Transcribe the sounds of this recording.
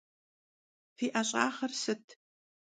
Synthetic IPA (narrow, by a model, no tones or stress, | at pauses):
fiːʔɐɕʼaːχɐrsɨtʰ